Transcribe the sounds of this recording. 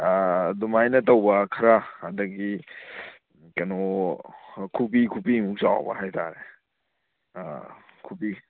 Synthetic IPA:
dumajnɐtowbɐkʰɐɾaːdɐɡi | kɐno | kʰup̬ikʰupimuk̚saw̰bɐ̰ɦajta̰ɾe | kʰupi

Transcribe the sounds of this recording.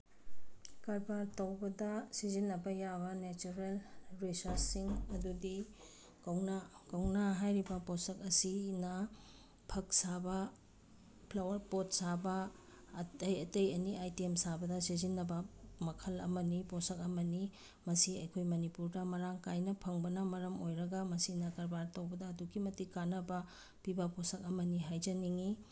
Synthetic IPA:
kaɾbaɾtɐwbɐdɐsizinːɐbɐjabɐnet͡ʃuɾelɾisɐɾsːiŋɐdudi | kɐwnakɐwnaɦajɾibɐposɐkɐsinɐ | pʰɐk̚sabɐ | pʰlawɐɾpot̚sabɐ | tɐjɐtejɐniajtiemsabɐdɐsezinːɐbɐmɐkʰɐlɐ̰mɐniposɐkɐmɐni | mɐsiɐjkʰojmɐnipuɾdɐmɐɾaŋkajnɐpʰɐŋbɐnɐmɐɾɐmojɾɐɡɐmɐsinɐkɐɾbaɾtɐwbɐdɐːduɡimɐtikanɐbɐ | pibɐposɐk̚ɐmɐniɦajzɐniŋi

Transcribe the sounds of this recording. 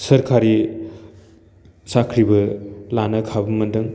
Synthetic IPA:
sɐɾkʰaɾi | sakʰɾibɐlanɐkʰabɐmɐndɯŋ

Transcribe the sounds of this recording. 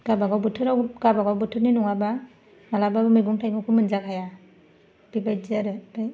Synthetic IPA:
ɡ̥abaɡawbɯtʰɯɾawɡabaɡawbɯtʰɯɾninɔŋaba | malababɯmɯjɡuŋtʰajmɯkʰɯmɯnzakʰaja | b̥ibajzaɾɯtaj

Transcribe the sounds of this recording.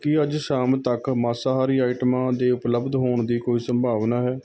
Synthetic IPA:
kɪəd͡ʒʃaːmt̪əkmaːsaːɦaːɾiːaːʈmãːd̪eːʊpləbd̪ɦoːɳd̪iːkoːiːsəmbʱaːʋnaːɦɛː

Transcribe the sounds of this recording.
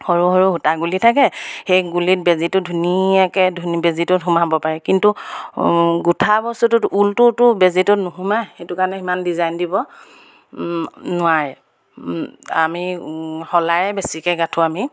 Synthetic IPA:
hoɹuhɔɹuɦutaɡulitʰakɛxejɡulit̚bezitʊdʱuniakɛdʱunibezitɔtɦumabɔpaɹɛkintu | ɡutʰabɔstutʊtultʊtʊbezitɔtnʊɦumajxetʊkaɹnɛimandizajndibɔ | nʊaɹɛ | a̰mixɔlajɛbesikɛɡatʰuami

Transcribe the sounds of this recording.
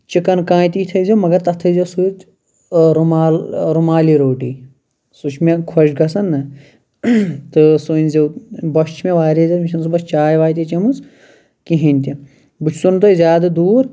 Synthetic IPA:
t͡ʃikɐnkãːjt̪iːt̪ʰɐjzʲimɐɡɐɾt̪ɐt̪ʰɐzʲosuit̪ | ɾumaːlɾumaːliːɾoːʈiː | sut͡ʃʰmẽkʰɐʃɡɐsɐnːɨ | t̪ɨsunʲzewbɐʃt͡ʃʰmeʋaːɾizɐmiʃʰɐnsubɐst͡ʃaːjʋaːjt̪it͡ʃɐmus | kiɦinʲt̪i | but͡ʃʰsunt̪̬oːzʲaːd̪ɐd̪uːɾ

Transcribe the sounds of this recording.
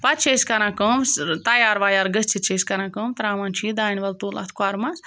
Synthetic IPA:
pɐt͡ʃʰeːskɐɾãːkəmst̪ɐjaːɾʋaːjaːɾɡəst͡ʃʰit͡ʃʰeːskɐɾãːkəmt̪ɐɾaːmaːnt͡ʃʰid̪aːnʋɐlt̪uːla̰t̪ʰkaɾmɐs

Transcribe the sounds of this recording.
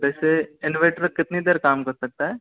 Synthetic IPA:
bɛːseɪnʋeːʈəɾkɪt̪ned̪eːɾkaːmkɐɾsɐk̚t̪aɦɛː

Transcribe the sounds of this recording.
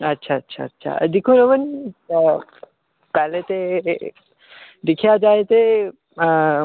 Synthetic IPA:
ətːʃʰaətːɕʰa̰ətːʃʰa̰d̪ikʰunəʋən | pɛɦlet̪e | d̪ɪkʰjad͡ʒaet̪e

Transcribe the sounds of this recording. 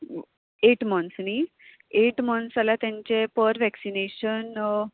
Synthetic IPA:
eʈmənsni | eʈmənsalat̪jaɲt͡ɕepəɾʋɛksineɕən

